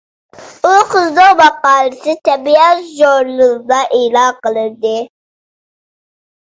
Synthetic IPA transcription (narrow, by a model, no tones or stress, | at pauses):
uqəzd̪owmɑqɑːlˠɨsɨt̪ɛbijɑʒoɾlˠɨzd̪ɑʔelɑqəlˠɨɾd̪ɨ